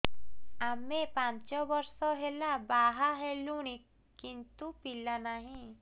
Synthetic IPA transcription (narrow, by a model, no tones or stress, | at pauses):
amːepãnt͡ʃɔbɔɾsɔɦelabaːɦaɦeluñik | kːĩnt̪upilːanaɦĩ